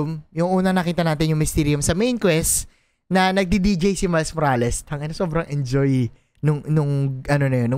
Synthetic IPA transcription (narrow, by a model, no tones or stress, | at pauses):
mjʊŋʔuːnɐŋnɐkiːt̪ɐnaːt̪ɪnjʊŋmɪst̪iɾiʊmsɐmejnkwɛst̪ | nɐnɐɡ̚d̪id̪id͡ʒejsɪmɐlsmoɾaːlɛst̪hɐŋɐnosobɾɐŋʔɛnd͡ʒoj | nʊŋnʊŋʔɐno̞nɐjonːʊ